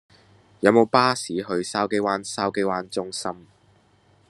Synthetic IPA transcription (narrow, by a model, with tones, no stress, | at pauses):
jɐ˨˧wmo˨˧wpaː˥siː˨˥ɦɵ˧ɥsaː˥wke˥jwaː˧˥nsaː˥wke˥jwaː˧˥nt͡sʊ˥ŋsɐ˥m